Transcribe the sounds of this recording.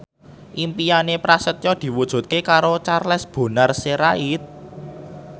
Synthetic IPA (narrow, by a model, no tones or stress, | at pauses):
ʔimpijanepɾasət̪jɔd̪̥i̤wud̥ʒ̥ṳt̪̚kekaɾot͡ʃarlɛsb̥o̤narseɾait̪̚